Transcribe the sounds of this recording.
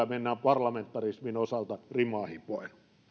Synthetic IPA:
menːæːmpɑrlɑment̪ːɑrisminosɑlt̪ɑrimɑːhipoˑi

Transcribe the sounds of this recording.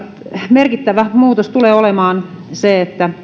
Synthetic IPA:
merkit̪ːæʋæmuːt̪ost̪uleːolemɑːn | seet̪ːæ

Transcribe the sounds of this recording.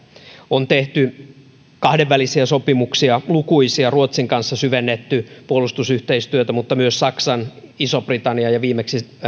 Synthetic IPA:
ont̪eht̪y | kɑhdeʋːælisiæsopimuksiɑlukuisiɑruot̪siŋkɑnsːɑsyʋenːet̪ːypuolust̪usyht̪eist̪yøt̪æmut̪ːɑmyøssɑksɑnisobrit̪ɑnːiɑjɑʋiːmeksi

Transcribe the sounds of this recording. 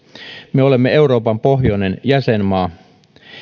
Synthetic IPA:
meo̞le̞mːee̞uɾo̞ːpɑmpo̞ɦjone̞njæsenmɑː

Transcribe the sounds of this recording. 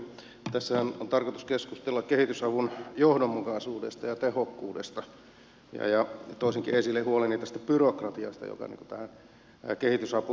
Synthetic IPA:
t̪æsːæhænont̪ɑrkot̪uskeskust̪elːɑkkehit̪ysɑʋunjohdomːukɑsuːdḛst̪ɑjɑt̪ehokːuːdest̪ɑ | jɑ̰jɑt̪oˑisiŋkḭesilːehuolenːit̪ːæst̪æ̥pyrokrɑt̪iɑ̰st̪ɑ̰jo̰kɑ̰nḭŋku̥t̪æhæn | kehit̪ysɑpu

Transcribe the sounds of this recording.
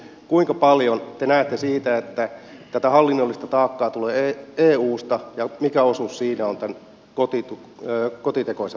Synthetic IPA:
kuiŋkɑpɑljont̪enæːt̪ːesiːt̪æet̪ːæt̪æt̪æhɑlːinːolːist̪ɑt̪ɑːkːɑːt̪uleːeːeːuːst̪ɑjɑmikæosussiːnæont̪æn | kot̪it̪u | øːkot̪it̪ekose

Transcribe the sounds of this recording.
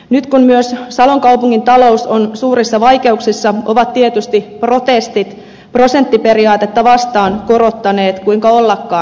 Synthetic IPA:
nyt̪kummyøssɑloŋkɑupuŋːint̪ɑlo̞usonsuːrisːɑʋɑjke̞uksisːɑʔoʋɑt̪tiet̪yst̪ipro̞t̪est̪it̪ | pro̞se̞nt̪ːipe̞ɾiɑːt̪et̪ːɑʋɑst̪ɑːnko̞ɾo̞t̪ːɑne̞ːt̪kuiŋkɑolːɑkːɑː

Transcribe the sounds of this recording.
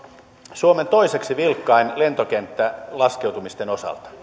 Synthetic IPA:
suoment̪o̞ise̞ksiʋilkːɑinle̞nt̪ok̟ent̪ːælɑskewt̪umist̪eno̞sɑ̰lt̪ɑ̥

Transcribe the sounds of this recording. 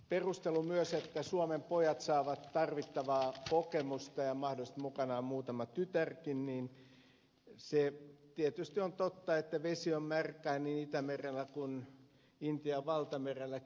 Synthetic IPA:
perust̪elumyøset̪ːæsuomempojɑt̪sɑːʋɑt̪tɑrʋit̪ːɑʋɑːkokemust̪ɑjɑmɑhdolist̪mukɑnɑːmmuːt̪ɑmɑt̪yt̪ærkinniːn | set̪iet̪yst̪iont̪ot̪ːɑet̪ːæʋesiommærkæːniːnit̪æmerelːˑækun | int̪iɑʋɑlt̪ɑmerelːˑæ

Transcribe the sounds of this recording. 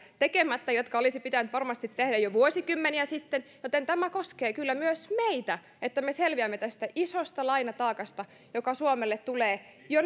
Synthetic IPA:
t̪ekemæt̪ːæjot̪kɑolisipit̪ænt̪ʋɑrmɑst̪it̪t̪ːehdæjoʋuosikymːeniæsit̪ːenjot̪ent̪æmækoskeːkylːæmyøsmeit̪æ | et̪ːæmeselʋiæmːet̪æst̪æʔisost̪ɑlɑinɑt̪ɑːkɑst̪ɑ | jokɑsuomelːet̪t̪uleː | jo

